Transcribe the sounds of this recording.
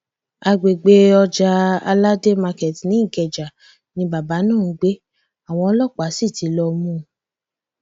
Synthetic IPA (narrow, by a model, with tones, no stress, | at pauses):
a˧ɡ͡be˨ɡ͡be˧ɔ˧d͡ʒa˧a̰˧la˦de˦ma˧kɛ˨ti˨nĩ˨˦ĩ˦˨kɛ˨d͡ʒa˨ | nĩ˧ba˨ba˨˦nãː˦˨ñ̩˨˦ɡ͡be˦ | a˨w̃ɔ̃˧ɔ˧˦lɔ˦˨k͡pa˨˦si˦˨ti˨˧˦lɔ˧mũ˦˨